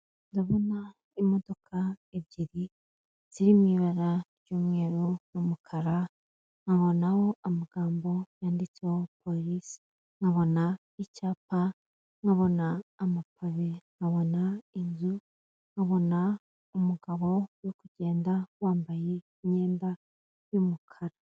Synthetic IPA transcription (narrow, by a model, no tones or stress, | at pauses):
ndaβona | imo̞do̞kʰaeβɟiɾi | z̥iɾimiβaɾaɾɟuːmŋe̞ːɾunumukʰaɾa | ŋaβo̞naho̞amaɡ̥aːmbo̞jaːndit͡seopoɾisi̥ | ŋaβo̞na | icaːp̚a | ŋɡaβo̞naːmapʰaβeŋaβo̞nainzu | ŋɡaβo̞na | umuɡ̥aβo̞wokuɟe̞ːndawaːmbaje | ɲe̞ːnda | jumukʰaɾa